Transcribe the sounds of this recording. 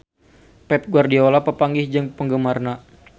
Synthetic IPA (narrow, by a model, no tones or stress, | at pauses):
pɛp̚ɡuardiolapəpaŋɡɪhd͡ʒəŋpəŋɡəmarna